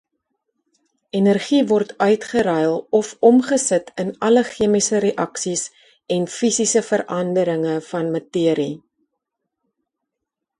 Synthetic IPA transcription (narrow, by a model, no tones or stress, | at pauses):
ɛnərχivɔrtœɥtχəɾɛjlˠɔfɔmχəsətʰənɐləχiəmisəɾeʔɐksis | ɛnfisisəfəɾʔɐndəɾəŋəfɐnmɐtiəɾi